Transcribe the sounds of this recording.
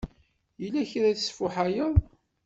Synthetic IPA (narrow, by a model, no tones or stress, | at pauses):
jəlːæçɾæθsfʊħajəðˤ